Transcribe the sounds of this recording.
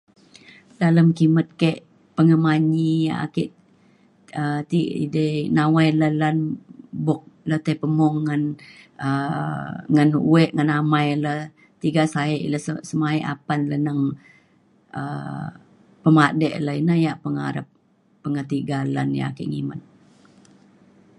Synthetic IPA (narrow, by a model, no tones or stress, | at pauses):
daləmkimət̪̚keʔ | pəŋəmaɲija̰a̰kɪʔ | ət̪iidənawajləhlənbɔk̚ləht̪epəmɔŋːənə | ŋənṵɛʔŋənamajləh | t̪iɡasaɛʔləsəsəmaiʔa̰panlənəŋ | ə̰ | pəmadɛʔləinəjaʔpəŋa̰ɾap̚ː | əŋət̪iɡalanja̰a̰kɪ̰ʔŋḭmə̰t̪̚